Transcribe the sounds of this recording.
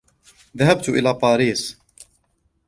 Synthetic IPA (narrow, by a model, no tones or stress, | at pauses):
ðahab̚t̪ʊʔɪ̰laːt̪ˤɑːɾiːsˤ